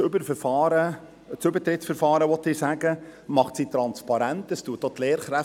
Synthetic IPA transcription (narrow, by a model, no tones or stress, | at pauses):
ʏbəɾfəɾfɑːɾə | t͡sʏbəɾt̪ɾɪtsfɛɾfɑːɾəʋɔt̪ːɪːsæɡəmɑχtsiːt̪ɾɑnspɑɾæntəstuətːot̪leːɾχɾæ